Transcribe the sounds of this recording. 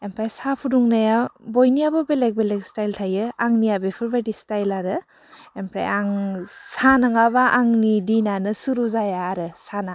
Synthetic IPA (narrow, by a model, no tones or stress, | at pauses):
empʰɾajsapʰuduŋnajabojniabɔbelek̚belekstajltʰajɯaŋnijabepʰɯɾbajdistajlaɾɯ | empʰɾa̰jaŋsanɯŋabaʔaŋnidinanɯsuɾuzajaːɾɯsana